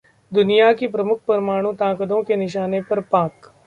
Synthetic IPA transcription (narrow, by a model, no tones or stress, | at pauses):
d̪ʊnijakipɾɐmʊkʰpɐɾmaːɽ̃ũt̪ãːkəd̪õkenɪʃ̬aːnepɐɾpãːk